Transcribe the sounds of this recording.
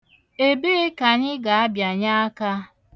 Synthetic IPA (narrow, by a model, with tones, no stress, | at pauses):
e˦be˦e˦ka˨ɲɪ˦ɡa˨a˦bja˨ɲa˦a˦ka˦